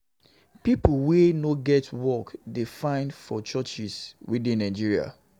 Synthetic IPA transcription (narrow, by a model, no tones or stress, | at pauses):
pipwenoɡɛtʰwɔkdefãɪ̃ndfɔt͡ʃɔt͡ʃiswidĩnːãɪ̃d͡ʒiɹia̰